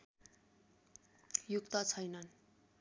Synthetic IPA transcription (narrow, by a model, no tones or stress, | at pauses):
jukt̪ʌt͡sʰʌjnʌn